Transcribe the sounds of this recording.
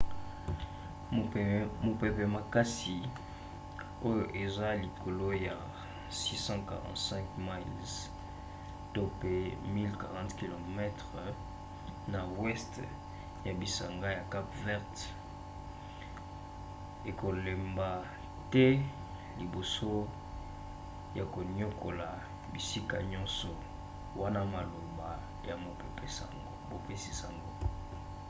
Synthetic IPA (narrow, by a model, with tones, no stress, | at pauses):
mo˨pɛ˨pɛ˨ma˨ka˦si˨ | o˦jo˨ʔe˨za˦li˨kʰo˨lo˦ja˨ | si˦sɑ̃˦ka̰˨ʁɑ̰̃˨ntsɛ̃˦kma˦lz | to˦pe˦mi˦lka˨ʁɑ̃˦tki˨lo˨mɛ˦tʁə | na˨wɛ˦st | ja˨bi˨sa˨ŋɡa˦ja˨ka˦pvɛ˦ʁt | e˨ko˨le˨mba˨ | tɛ˦ | li˨bo˨so˦ | ja˨ko˨ɲo˦kʰo˨la˨ | bi˨si˦ka̰˨ɲɔ̃˦nsɔ˨ | wa˦na˦ma˨lo˨ba˨ | ja˨mo˨pe˨pɛ˦sa̰˨ŋɡo˦bo˨pe˦si̥˨sa˨ŋɡo˦